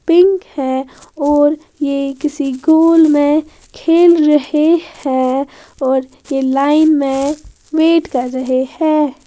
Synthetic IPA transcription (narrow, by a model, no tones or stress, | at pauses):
pɪ̃ŋkhɛɔːɾ | jekɪsiɡoːlmẽ | kʰeːlɾɐhehɛ̃ | ɔːɾ | jelaːɪnmẽ | weːʈkəɾːəɦehɛː